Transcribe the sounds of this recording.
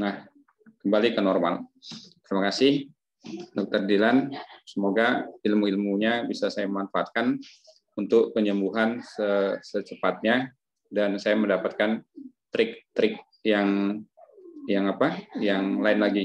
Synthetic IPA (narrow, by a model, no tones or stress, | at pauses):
nah | kəmbalikənɔrma̰lt̪əɾimakasɪh | dɔk̚t̪ərdilansəmoɡaɪlmuilmuɲabisasajaməmanfaat̪̚kan | unt̪ʊkːəɲəmbuɦansəsət͡ʃəpat̪̚ɲa | dansajaməndapat̪̚kant̪ɾɪk̚t̪ɾɪk̚ | jaŋ | jaŋapajaŋlaɪnlaɡi